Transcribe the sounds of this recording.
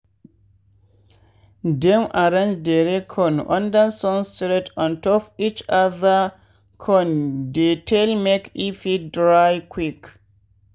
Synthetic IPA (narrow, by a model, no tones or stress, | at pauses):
dɛ̃mʔaɾãnd͡ʒdeɾɛkʰɔ̃nʔɔ̰̃ndansɔ̃nstɾetɔ̃ntɔfit͡ʃaða | kʰɔndetʰelmekifidɾajkʰwik